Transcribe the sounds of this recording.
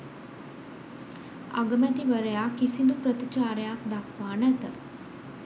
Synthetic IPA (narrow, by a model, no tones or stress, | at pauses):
a̰ɡəmat̪iʋəɾəjakisind̪upɾət̪it͡ʃaːɾjaːkd̪akʰʋaːnət̪ə